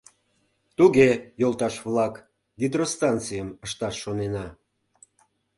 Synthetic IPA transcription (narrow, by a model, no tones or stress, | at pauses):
t̪uɣejolˠt̪ɑʃβlˠɑk | ɡʲid̪rost̪ɑnt͡sɨjəməʃt̪ɑʃːonenɑ